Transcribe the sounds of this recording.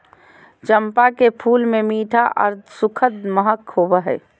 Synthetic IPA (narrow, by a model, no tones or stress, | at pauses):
t͡ʃəmpakepʰuːlmemiːʈʰaʔə̰ɾd̪sʊkʰəd̪məɦəkhoːbəɦɛ̰ː